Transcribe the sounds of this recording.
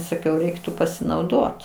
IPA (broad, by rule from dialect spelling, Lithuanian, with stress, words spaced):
sɐˈkʲɛʊ ˈrʲɛɪktʊ pɐsʲɪnɐʊˈdoːt